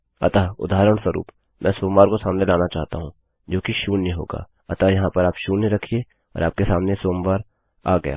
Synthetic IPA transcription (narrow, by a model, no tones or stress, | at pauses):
ɐ̰t̪aːʊ̰d̪ʱaːɾəɽ̃səɾṵːp | mʔɛ̃ːsoːmʋaːɾkosaːmnelaːnat͡ʃaːɦt̪aɦũː | d͡ʒoːkiʃuːniɦo̰ːɡa̰ː | ɐt̪ajɐɦãpɐɾaːpʃuːniɾɐkʰie | ɔ̰ːɾaːp̚kesaːmnesoːmʋaːɾ | a̰ːɡɐja̰ː